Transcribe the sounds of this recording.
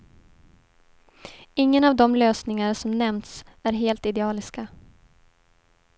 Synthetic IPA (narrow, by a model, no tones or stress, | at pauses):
ɪŋːənavd̪ɔmløːsnɪŋaɾsɔmnɛmt̪sæɾɦeːlt̪ɪd̪ɛɑːlɪska